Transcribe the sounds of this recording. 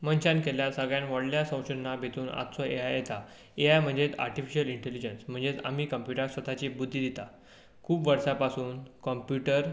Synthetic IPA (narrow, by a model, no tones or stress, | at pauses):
mənt͡ɕankeljasəɡɭjãnʋɔɽljasə̃w̃ɕunːabʱet̪uːna̰t̪sɔeajet̪a | eajm̤əɳd͡zet̪a̰ɾʈifiɕəliɳʈelid͡ʑənsm̤əɳd͡zet̪a̰miːkəmpjuʈasɔt̪ʰat͡ɕibud̪ʱːiːd̪it̪a | kʰuːpʋəɾsapasuːnkɔmpjuʈəɾ